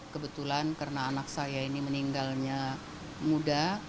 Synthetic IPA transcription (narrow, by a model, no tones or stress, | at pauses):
kəbət̪ulankaɾənaːnak̚sajainiməniŋɡalɲa | muda